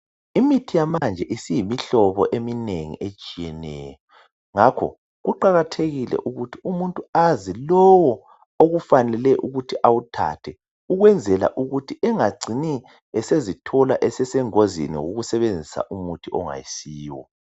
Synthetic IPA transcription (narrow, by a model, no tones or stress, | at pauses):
imitʰijamand͡ʒʱɛʔisijimiɬɔβɔʔemineŋḭʔet͡ʃʼijɛnɛ̰jɔ | ŋakʰɔ̰ | ɣuǃaɣatʰeɣilɛ̰ʔuɣutʰiumuntʼuazilɔwɔ | oɣufanɛlɛʔuɣutʰiʔawutʰa̰tʰɛ | uɣwɛnd͡zʱɛla̰ʔuɣutʰiɛŋaɡ͡ǀʱini | ɛsezitʰɔla̰ʔɛsɛsɛŋozḭnḭwoɣusɛβend͡zʱisa̰ʔumutʰiʔɔŋa̰jisiːwɔ̰